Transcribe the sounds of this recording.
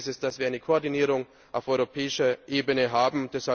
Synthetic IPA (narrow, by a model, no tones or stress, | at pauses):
sɪst̚d̥asv̥iːɐaɪnəkʰoːɐdiniːʁʊŋ | ʔaʊfɔʏʁopʰɛːɪʃɐʔeːbənəɦaːbm̩d̥ɛsha